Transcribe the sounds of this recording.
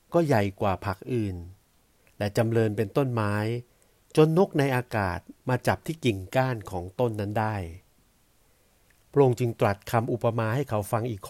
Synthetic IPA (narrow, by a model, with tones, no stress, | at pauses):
kɔː˥˩ja˨˩jkwaː˨˩pʰa˦˥k̚ʔɯː˨˩n | lɛ˦˥t͡ɕa˧mlɤː˧npe˧nt̪o˥˩nmaː˦˥j | t͡ɕo˧nːo˦˥k̚na˧jʔaː˧ka̰ː˨˩t̪̚maː˧t͡ɕa˨˩p̚t̪ʰiː˥˩ki˨˩ŋkaː˥˩nkʰɔː˩˦ŋt̪o˥˩nːa˦˥ndaː˥˩j | pʰɾo˧ŋt͡ɕɯ˧ŋt̪ɾa˨˩t̪̚kʰa˧mʔu˨˩pːa˧maː˧ha˥˩jkʰa˦˥wfa˧ŋʔiː˨˩k̚ʰ